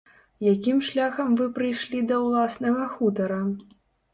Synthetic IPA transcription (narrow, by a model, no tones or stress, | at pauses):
jakʲimʂlʲaxɐmvɨpɾɨjʂlʲid̪ɐwlˠasnɐɣɐxut̪ɐɾɐ